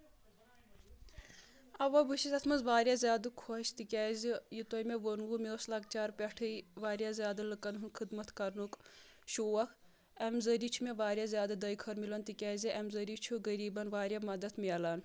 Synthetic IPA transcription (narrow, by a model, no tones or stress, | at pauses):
ɐʋɐbɨʃizɐt̪ʰmɐzʋaːɾjazʲjaːd̪ɨkʰoʃt̪ikʲaːzʲijit̪ojmeʋonʋumeoːslɐk̚t͡ʃaːɾpʲɐʈʰɨjʋaːɾjazʲjaːd̪ɨlɨkɐnɦunkʰɨd̪mɐt̪ʰkɐɾnuk | ʃoːwɐkʰ | ɐmzəɾit͡ʃʰumeʋaːɾʲjazʲjaːd̪ɨd̪ɐjkʰɐɾmilɐnt̪ikʲaːziʔɐmzɐɾiːt͡ʃʰuɡɐɾiːbɐnʋaːɾʲjamɐd̪ɐt̪ʰmiɐlaːn